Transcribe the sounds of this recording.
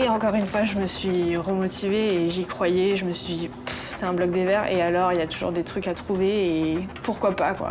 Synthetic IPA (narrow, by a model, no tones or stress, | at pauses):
eɑ̃kɔʁynfwaʒəməsɥiʁəmɔt̪ʰiveːʒikχwajɛʒəməsɥid̪i | psɛt̪ɛ̃blɔk̚d̪evɛʁḛalɔʁiljat̪uʒṵʁd̪et̪χykat̪χuveːpuʁkwapa̰kwa̰